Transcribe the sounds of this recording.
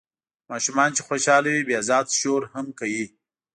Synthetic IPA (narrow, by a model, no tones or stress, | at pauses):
mɑːʃumɑːnt͡ʃexoːʃɑːlawibeazɑːd̪ʃoːɾhəmkaji